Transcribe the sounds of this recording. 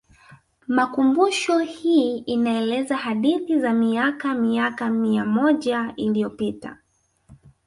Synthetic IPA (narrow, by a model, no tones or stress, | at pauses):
makumbuʃɔhiːinaɛlɛzahaɗiθizamiakamiakamiamɔʄailiɔpita̰